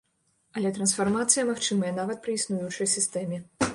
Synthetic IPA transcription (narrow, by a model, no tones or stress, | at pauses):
ɐlʲɛt̪ɾɐnsfarmat̪sɨjɐmaxt͡ʂɨmɐjɐnavɐt̪̚pɾɨisnujut͡ʂɐjsʲist̪ɛmʲɛ